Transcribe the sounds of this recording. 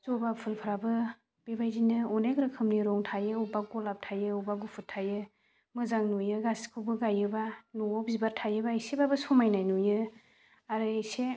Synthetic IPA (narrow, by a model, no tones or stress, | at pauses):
zɔbapʰɯlpʰɯɾabɯ | b̥ebajzinɯɔneɡɾɯkʰɯmniɾɔŋtʰajɯubaɡɔlap̚tʰajɯubaɡupʰɯtʰːajɯ | mɯzaŋnujɯɡaskʰɯwbɯɡajɯbanuɔbzibaɾtʰajɯbaisebabɯsɔmajnajnujɯ | aɾɯise